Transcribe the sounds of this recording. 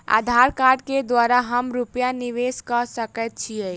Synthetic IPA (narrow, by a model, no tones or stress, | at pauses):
a̰d̪ʱaɾkaɾɖked̪waɾaɦəmɾupjaniʋeskəsəkɛt̪̚t͡ʃʰiɛ